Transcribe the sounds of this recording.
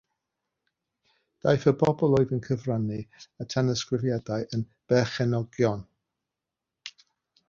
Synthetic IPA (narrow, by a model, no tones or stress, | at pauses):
d̥ajθəbɔbɔlˠɔɨðənkʰəvraniatʰɛnəskrɪvjadajʔənb̥ɛχɛnɔɡjɔn